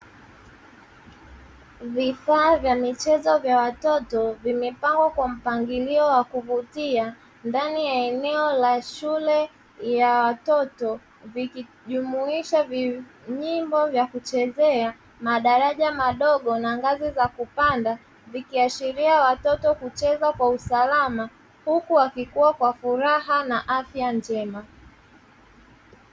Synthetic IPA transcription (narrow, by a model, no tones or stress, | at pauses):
vifaːvjamit͡ʃɛzɔvjawatɔtɔvimɛpaŋɡwakwam̩paŋɡiliɔwakuvutia | ndanijaɛnɛɔlaʃulɛ | jawatɔtɔ | viki | ʄumuiʃavi | ɲimbɔvjakut͡ʃɛzɛa | maɗaɾaʄamaɗɔɠɔnaŋɡazizakupanda | vikiaʃiɾiawatɔtɔkut͡ʃɛzakwausalama | hukuwakikuwakwafuɾaɦanaʔafjaɲd͡ʒɛma